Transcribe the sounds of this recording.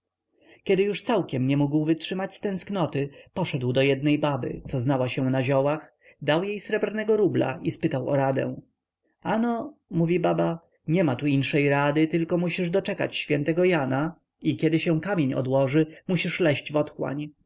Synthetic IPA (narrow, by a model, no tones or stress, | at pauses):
kʲɛd̪ɘjuʂt̪sawkʲɛmɲɛmuɡwvɘtʂɘmat͡ɕst̪ɛ̃w̃sknɔt̪ɘpɔʂɛd̪wd̪ɔjɛd̪̚nɛjbabɘ̰t̪sɔznawaɕɛ̃naʑɔwax | d̪awjejsɾɛbɾnɛɡɔɾubla̰ispɘt̪awɔ̰ɾad̪ɛ̰̃ | ʔanɔmuvʲibaba | ɲɛmat̪uinʂɛjɾad̪ɘt̪ɘlkɔmuɕiʐd̪ɔt͡ʂɛka̰t͡ɕɕfʲjɛnt̪ɛɡɔjana | ikʲɛd̪ɘɕɛ̃w̃kamʲjeɲɔ̰d̪wɔʐɘmuɕiʂlɛʑd͡ʑvɔt̪xwa̰ɲ